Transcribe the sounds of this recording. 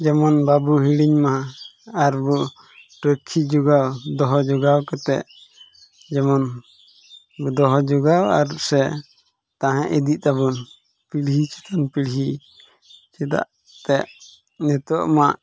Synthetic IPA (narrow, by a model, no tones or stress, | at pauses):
d͡ʒɛmɔnbabuɦiɽiɲmaɦãaɾbu | ʈɾəkʰːid͡ʒuɡawd̪ɔɦɔd͡ʒɔɡawkɛt̪ɛ̰ʔ | d͡ʒɛmɔn | bud̪ɔɦɔd͡ʒuɡawa̰ɾsɛ | t̪ãɦãʔid̪iʔ̚t̪abun | piɽɦit͡ʃʰi̥t̪anpiɽɦi | t͡ʃʰit̪a̰ʔ | t̪ɛʔ | nɛt̪ɔʔmaʔ